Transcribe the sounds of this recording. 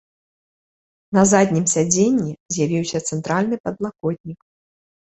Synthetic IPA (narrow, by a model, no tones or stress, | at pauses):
nɐzad̪ʲnʲimsʲad͡zʲenʲːizʲjavʲiwsʲɐt̪sɛnt̪ɾalʲnɨpɐd̪lˠakɔd̪ʲnʲik